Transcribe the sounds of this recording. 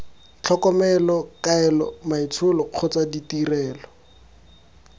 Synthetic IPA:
t͡ɬʰɔkɔmɛlɔkaɛlɔ̰mait͡sʰʊlɔq͡χʰʊt͡saditirɛːlɔ

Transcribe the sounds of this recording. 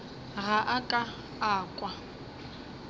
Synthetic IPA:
ɣaʔakʼa | aːkʼwa

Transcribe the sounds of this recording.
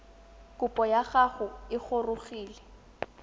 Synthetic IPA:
kʼʊpʼɔjaɣaɣʊɪχorʊɣiːlɛ

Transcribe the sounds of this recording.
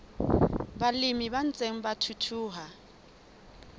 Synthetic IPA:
balimiban̩t͡sʼeŋ̩batʰutʰuːɦa

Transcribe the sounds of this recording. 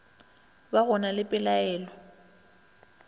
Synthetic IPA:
baɣʊnalɪpʼɪlaɛːlɔ

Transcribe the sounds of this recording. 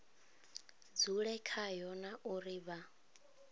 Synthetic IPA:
d͡zuɺɛkʰajɔnaʔuɾiβa

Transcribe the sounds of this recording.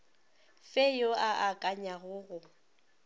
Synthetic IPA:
fejoaʔakʼaɲaɣʊɣʊ

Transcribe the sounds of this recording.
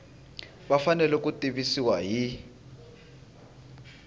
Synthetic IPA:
ɓafanɛluk̬ʼutʼiɓisiwaji

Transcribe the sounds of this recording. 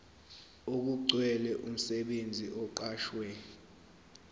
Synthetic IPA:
ok̬uǀwɛlɛʔum̩sɛɓend͡zʱiʔɔǃaːʃwɛ

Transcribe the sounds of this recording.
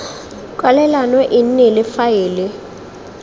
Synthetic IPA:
kʼwalɛlanɔʔinɪlɪfajiːlɪ

